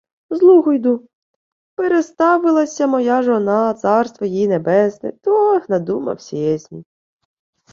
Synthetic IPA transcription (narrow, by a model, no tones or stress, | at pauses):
zlˠuɦɔjd̪u | peɾest̪ɑʋɪlˠɐsʲɐmɔjaʒɔnɑt̪sɑrst̪ʋɐjinebɛsnɪ̰t̪ɔnɐd̪umɐ̰wsʲijɛsʲnʲḭ